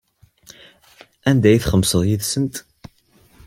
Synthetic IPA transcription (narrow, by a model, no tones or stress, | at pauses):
ænd̪æjθχəmːsəðˤjiðsənt̪